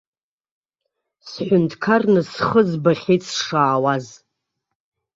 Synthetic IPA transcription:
sħʷᶣʊntʰkʰarnɨsχəzbaχʲejt͡sʰʂaːwaz

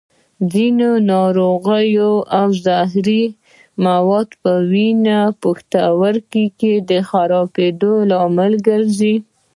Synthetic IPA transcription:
zinonɑɾoɣəjoawzɑɦɾi | mawɑd̪pəwinapaxt̪awəɾkiked̪əxaɾɑbed̪olɑmɪlɡəɾzi

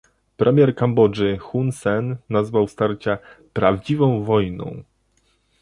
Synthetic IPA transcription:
pɾʔɛmʲjɛɾkambɔd͡ʐɘxunsɛnːazvawst̪aɾt͡ɕapɾavd͡ʑivɔ̃w̃vɔjnɔ̰̃w̃

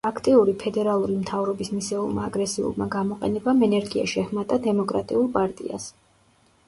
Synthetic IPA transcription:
akʰt̪ʼiuɾipʰɛd̪ɛɾalˠuɾimt̪ʰavɾɔbismisɛṵlˠma̰ːɡɾɛsiṵlˠma̰ɡamɔqʼɛ̰nɛbamɛnɛɾɡia̰ʃiɛχmat̪ʼad̪ɛmɔkʼɾa̰t̪ʼiulˠpʼaɾt̪ʼḭa̰s

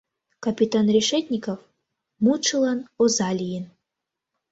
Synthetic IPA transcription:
kɐpʲit̪anrʲiʂɛtʲnʲikɐf | muʈ͡ʂʰɨlˠanozalʲijin

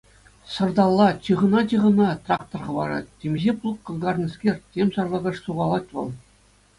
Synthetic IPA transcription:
sɤ̆rd̪ɑlˠːɑt͡ɕɯʁɤ̆nɑt͡ɕʲɯʁɤ̆nɑt̪rɑk̚t̪ŏrχɤ̆ʋɑɾɑ̰t̚ʲtʲːemʲʑʲeplˠukːɤ̆lˠɡɑrnʲɤ̆skʲerʲtʲemʲsɑrlˠɑɡɑʂsuʁɑlˠɑt̚ʲʋɤ̰̆lˠ

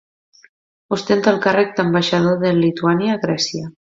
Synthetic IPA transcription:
ust̪ent̪alˠkarək̚d̪əmbaʃað̞oðelit̪uanjaːɣɾɛsiə

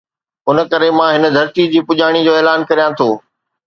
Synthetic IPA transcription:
ʊnə̆kɐɾemãːɦɪnə̆d̪ʱɐɾt̪id͡ʑiːpʊʄaːɽ̃id͡ʑoːeːlaːnkɐɾijãt̪ʰoː

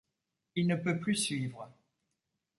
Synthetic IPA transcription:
ilnəpøplysɥiːvʁə

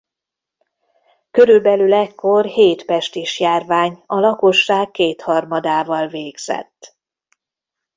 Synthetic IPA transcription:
kø̞ɾylbɛlylɛkʰːo̞rheːt̪pɛʃt̪iʃjaːrvaːɲɒlɒko̞ʃːaːkːeːt̪hɒrmɒd̪aːvɒlveːɡz̥ɛ̰t̪ː

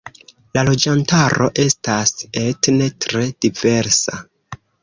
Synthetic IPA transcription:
lalo̞d͡ʒantaɾo̞̰ʔe̞stase̞tne̞tɾe̞d̥ive̞ɾsa̰

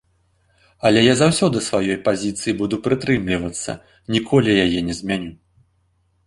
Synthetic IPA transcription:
ɐlʲɛjazawsʲɔd̪ɨsvajɔjpazʲit̪sɨjibud̪upɾɨt̪ɾɨmlʲivɐt̪sːɐ̰ | nʲikʰɔlʲijajɛnʲɛzʲmʲanʲu

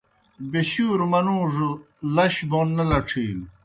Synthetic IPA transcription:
beɕuːɾmɐnũːʐu | lɐɕbonːɐlɐʈ͡ʂʰiːl

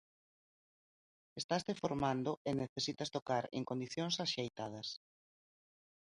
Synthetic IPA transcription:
est̪ast̪efoɾmand̪oʔeneθesit̪ɐst̪okaɾḛŋkond̪iθjoŋsaʃejt̪að̞ɐs

